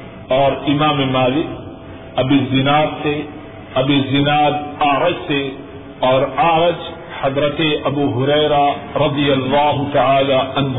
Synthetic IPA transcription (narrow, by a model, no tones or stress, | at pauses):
ɔːɾɪmaːmemaːlɪk̚ | ɐbizɪnaːd̪se | ɐbizɪnaːd̪̚aːɾɐd͡ʒse | ɔːɾaːɾɐd͡ʒ | hɐd̪ɾɐt̪eʔɐbuːɦʊɾɛːɾaɾɐd̪ijɐlːaːɦʊt̪ɐʕaːlaɐnɦ